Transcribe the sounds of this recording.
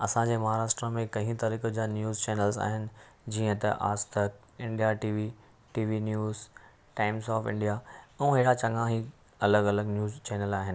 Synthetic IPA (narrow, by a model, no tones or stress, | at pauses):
ɐsãd͡ʑeːmɐɦaːɾaːʂʈɾəmẽkɐ̃ɦĩt̪ɐɾiːkəd͡ʑanjuːzt͡ɕɛːnəlza̰ːɦɪnɪ̆ | d͡ʑiːə̃t̪ɐ̰ʔa̰ːst̪ək | ɪ̃ɳɖijaʈiːʋi | ʈiːʋinjuːz | ʈaːɪmsɔːfɪ̰̃ɳɖijaɛ̃ũɦeɦɪɽat͡ɕɐ̃ŋãɦi | ɐləɡɐləɡnjuːzt͡ɕɛːnəlaːɦɪnɪ̆